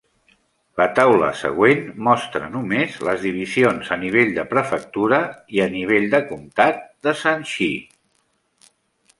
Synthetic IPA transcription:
lət̪awlə̰sə̰ɣwenmɔst̪ɾə̰numezləzðiβ̞izionzəniβ̞eʎd̪əpɾəfək̚t̪uɾəiəniβ̞eʎd̪əkumt̪at̪̚d̪əsanʃi

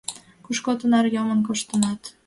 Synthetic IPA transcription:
kuʃkot̪ə̆nɑɾjɒmənkoʃt̪ə̆nɑt̪

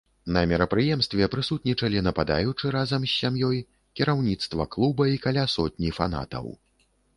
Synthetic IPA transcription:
nɐmʲɛɾɐpɾɨjɛmst̪vʲɛpɾɨsut̪̚nʲit͡ʂɐlʲinɐpad̪a̰jut͡ʂɨɾazɐmsʲːamjɔj | kʲiɾawnʲit̪st̪vɐklˠubɐikalʲasɔt̪̚ʲnʲifa̰na̰t̪ɐ̰w

